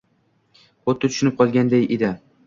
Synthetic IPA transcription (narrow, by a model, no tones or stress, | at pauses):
qot̪ʰːɪt̪ʰʊʃʊnɪp̚qʰɒlˠɡʲand̪ejed̪ɪ